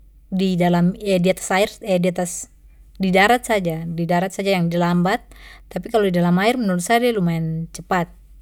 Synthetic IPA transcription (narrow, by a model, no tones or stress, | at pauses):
didalamɛdiat̪ḁsaɪrɛdiat̪as | didaɾat̪̚sad͡ʒadidaɾat̪̚sad͡ʒajaŋdilambat̪̚ːapikalodidalamaɪrmənulusadalumaɛnt͡ʃəpat̪̚